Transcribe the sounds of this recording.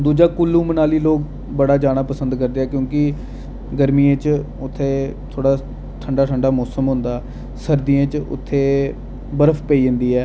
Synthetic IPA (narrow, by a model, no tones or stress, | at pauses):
d̪uːd͡ʒaːkʊlːũːmənaːliːloːk | bəɽaːd͡ʒaːɽ̃aːpəsənd̪kəɾd̪eːɛːkjõːkɪ | ɡəɾmiːẽt͡ʃ | ʊt̪ʰːeːt̪ʰoːɽaː | ʈ̪ʰəɳɖaːʈ̪ʰəɳɖaːmɔːsəmɦʊnd̪aː | səɾd̪ijãːt͡ʃʊ̰t̪ʰːeː | bəɾəfʰpəiːɪnd̪iːɛː